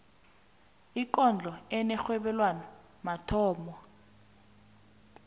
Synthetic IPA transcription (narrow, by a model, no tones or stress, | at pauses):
ikɔnd͡ɮʱɔɛnɛxwɛɓɛlwanɔ | matʰɔːmɔ